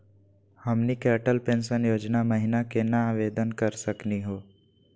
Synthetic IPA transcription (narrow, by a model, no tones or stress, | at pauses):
hɐmnikɛːʈəlpẽːnʃənjoːd͡ʒnamɐɦɪnakenɐaːʋeːd̪ənkɐɾsɐkniɦoː